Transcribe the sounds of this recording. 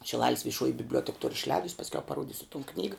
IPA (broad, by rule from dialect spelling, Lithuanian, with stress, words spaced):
ʃʲɪˈlˠɑːlʲɪs ʋʲɪˈʃuɔjɪ bʲɪbʲˈlʲuɔtʲɛk tʊr ɪʃʲˈlʲɛːdʊs pɐsʲˈkʲɛʊ pɐˈruɔdʲɪsʊ toːn ˈknʲiːɡɐ